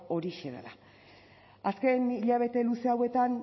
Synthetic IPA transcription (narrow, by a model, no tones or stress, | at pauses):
o̞ɾiʃeða̰la | aske̞niʎaβ̞e̞t̪e̞luseawe̞t̪an